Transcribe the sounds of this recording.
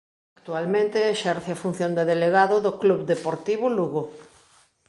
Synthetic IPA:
akt̪ualmẽnt̪eːʃɛɾθjafun̟θjond̪eðeleɣaðʊðokluβðepoɾt̪iβʊluɣo

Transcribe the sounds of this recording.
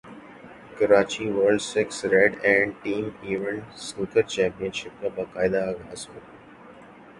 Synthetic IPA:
kəɾaːt͡ʃiʋəɾɖsɪksɾɛɖɛ̃ːɳɖʈĩːmiːʋə̃nsiːkəɾt͡ʃɛ̃ːmpiə̃nʃɪp̚kabaːkaːɪd̪aɡasoːt̪

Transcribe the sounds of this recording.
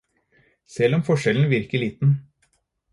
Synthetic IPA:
sɛlɔmfɔʂɛln̩ʋɪɾkəɭiːt̪n̩

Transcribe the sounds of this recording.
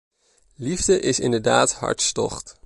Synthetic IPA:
livdəʔɪsɪ̰ndəɹdaːtɦɑ̰ɹtstɔ̰χt

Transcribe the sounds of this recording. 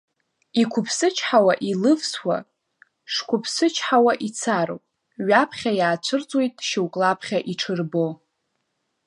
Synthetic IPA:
ikʷʰʊpʰsɨt͡ʃʰħawaʔilɨvswa̰ | ʂkʷʰʊpʰsɨt͡ʃʰħawaʔit͡sʰaɾo̰wpʼ | ɥapʰχʲajaːt͡ʃʷʰɨrt͡sʼwe̞jtʼʃɪwkʼlapʰχʲaʔiʈ͡ʂʰɨrbo̞

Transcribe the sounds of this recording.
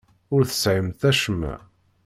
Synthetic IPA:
ʊɾθə̥sʕəmθæʃəmːæ̰

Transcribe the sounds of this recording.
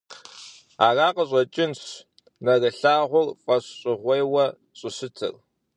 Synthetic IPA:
aːraːqəɕʼɐt͡ʃʼɪns | nɐrɐɬaːʁʷʊrfʼɐɕɕʼɨʁʷɐjwɐ | ɕʼɨsɨtʰɨ̰r

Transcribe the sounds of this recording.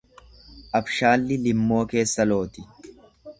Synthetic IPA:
ʔɐbʃaːlːɪlɪmːo̞ːke̞ːsːɐlo̞ːt̪ɪ

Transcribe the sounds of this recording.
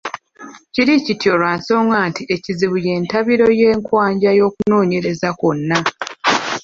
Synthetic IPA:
ciɾicitjo̞lwaːnso̞ːmwaːntiʔe̞ciziβuje̞ːntaβiɾo̞je̞ːŋkwaːɲɟajo̞ːkuno̞ːɲe̞ɾe̞zakonːa

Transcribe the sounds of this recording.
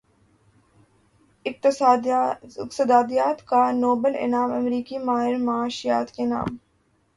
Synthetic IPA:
ɪk̚t̪ɪsːɪksəd̪aːd̪ijaːt̪kanoːbəlɪ̰naːmɐmɾiːkimaːɦɪɾmaaːʃija̰ːt̪kena̰ːm

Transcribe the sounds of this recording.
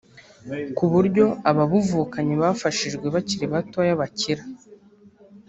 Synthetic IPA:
kuβuɾɟo̞aβaβuvuːkaɲiβaːfaʃiʒɡwe̞βaciɾiβatojaβaciɾa

